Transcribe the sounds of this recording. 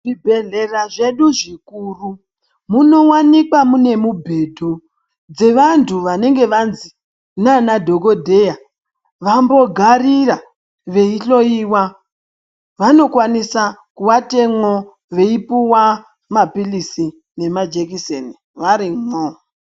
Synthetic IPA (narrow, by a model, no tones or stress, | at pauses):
ʐibʱe̞ɮe̞raʐe̞ɗuʐikuːru | muno̞wanikwamune̞mubʱe̞dʱu | d͡ze̞ʋantʰuʋane̞ŋɡe̞ʋanzi | nanadʱo̞ko̞dʱe̞ja | ʋambo̞ɡʱarira | ʋe̞iɬo̞iwa | ʋano̞kwanisakuʋate̞mo | ʋe̞ipuwa | mapilisi | ne̞mad͡ʒekiseni | ʋaɾimo